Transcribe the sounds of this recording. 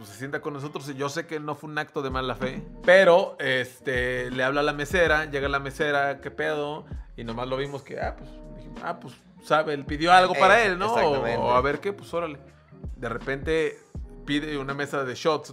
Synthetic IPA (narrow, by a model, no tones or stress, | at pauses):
psesje̞nt̪ako̞nːos̬o̞t̪ɾosiʝo̞se̞keno̞fweunakt̪oðemalafe̞peɾoest̪eleaβlalame̞seɾaʝe̞ɣalame̞seɾake̞peð̞oino̞mazlo̞βimo̞skḛa̰pwesd̪iximo̰a̰pwes | saβelpiðjoalɣo̞paɾaelnoaẽaβe̞ɾke̞pwesoɾale | d̪erepe̞nt̪e̞piðeuname̞saðeʃot̪s